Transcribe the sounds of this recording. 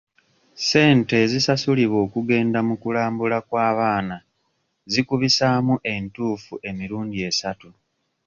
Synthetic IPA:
se̞ːnte̞ːzisasuliβo̞ːkuɡe̞ːndamukulaːmbulakwaːβaːna | zikuβisaːmuʔe̞ntuːfuʔe̞miɾuːndie̞satu

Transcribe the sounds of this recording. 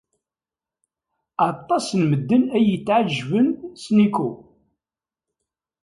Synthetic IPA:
ɑt̪ˤːɑsnməd̪ːənæjət͡sːʕaʒːvənsniku

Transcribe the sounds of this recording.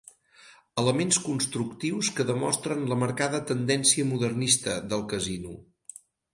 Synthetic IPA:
ələmenskunst̪ɾukt̪iwskəðəmɔ̰st̪ɾənləməɾkaðət̪ənd̪ɛnsiəmuðərnist̪əðəlˠkəzinu

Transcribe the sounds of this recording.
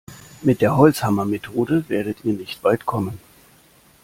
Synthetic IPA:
mɪt̚d̥eːɐhɔlt͡shamɐmetʰoːdəveːɐɾətiːɐnɪçtv̥aɪtkʰɔmən

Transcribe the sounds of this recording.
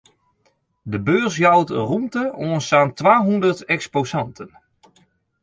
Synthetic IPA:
dəbøːsjawtrumtəoənsaːntʋaːɦundərtɛksposɑntʰən

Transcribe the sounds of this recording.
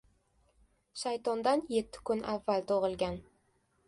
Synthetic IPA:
ʃajt̪ʰɒnd̪anje̞t̪ʰːɪ̥kʰʊnavːalt̪ʰoʁɨlˠɡʲan

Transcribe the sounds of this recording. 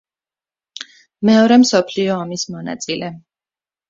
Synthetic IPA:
mɛɔɾɛmsɔpʰliɔːmismɔna̰t̪sʼilɛ

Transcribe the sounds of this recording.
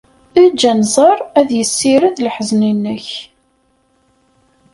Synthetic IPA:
æd͡ʒːænzˤɑɾˤæðjəsːiɾəðlħzninːəç

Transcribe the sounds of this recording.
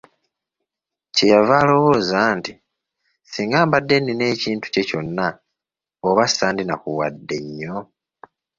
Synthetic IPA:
cejavaːlo̞wo̞ːzaːnti | siŋɡaːmbadːe̞nine̞ːciːntu̥ce̞co̞nːa | oβasaːndinakuwadːe̞ɲːo̞

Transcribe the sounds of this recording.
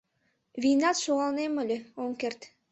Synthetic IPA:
vʲijnɑt̪ʃoʁɑlˠneməlʲeoŋkert̪

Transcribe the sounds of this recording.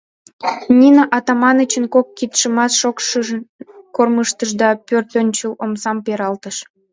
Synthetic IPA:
nʲinaʔɑt̪ɑmɑnət͡ɕənkokːit̪ʃəmɑsʃokʃ | korməʃt̪əʃd̪ɑpørt̪ønʲt͡ɕəlomsɑmpeɾɑlt̪əʃ

